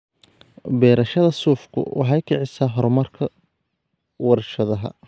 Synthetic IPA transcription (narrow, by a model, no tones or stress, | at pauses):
bɛːɾɐʃɐðɐsuːfkʰʊ̰wʔɑ̰ħɑjkʰɪʕɪsaːɦɔɾmɐrkʰɐ | wɐrʃɐðɐɦɐ̰